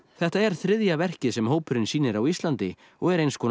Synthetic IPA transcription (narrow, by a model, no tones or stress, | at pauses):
θɛht̪aɛɾ̥θɾɪðjavɛr̥cɪðsɛmɦoːwpʏɾɪnsiːnɪɾawist̪lant̪ɪ | ɔɣɛɾejnskʰɔː